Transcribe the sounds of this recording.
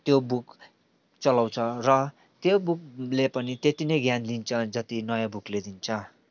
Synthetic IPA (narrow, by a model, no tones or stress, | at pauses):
t̪jobuk | t͡sʌlaw̃t͡sʰʌrʌ | t̪jobuk̚lepʌnit̪et̪inʌjɡjanlint͡sʰʌd͡zʌt̪inʌjabukled̪int͡sʰʌ